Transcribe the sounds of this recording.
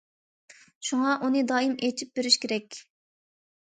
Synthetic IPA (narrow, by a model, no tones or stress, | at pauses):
ʃuŋɑʔunɨd̪ɑːimet͡ʃʰip̚beɾɪʃkʲʰeɾɛkʲ